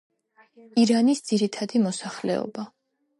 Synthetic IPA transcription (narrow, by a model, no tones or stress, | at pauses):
iɾanisd̪z̥iɾit̪ʰad̪imɔsaχlɛ̰ɔ̰ba